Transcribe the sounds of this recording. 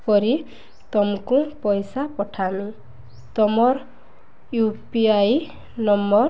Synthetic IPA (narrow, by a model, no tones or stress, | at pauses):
pʌɾi | t̪ɔmkũpɔjsapɔʈʰami | t̪ɔmɔr | jupiaj | nʌmbʌr